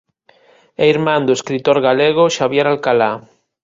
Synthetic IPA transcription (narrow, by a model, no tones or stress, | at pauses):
eiɾmãnd̪oeskɾit̪oɾɣaleɣ̞oʃaβjeɾalkala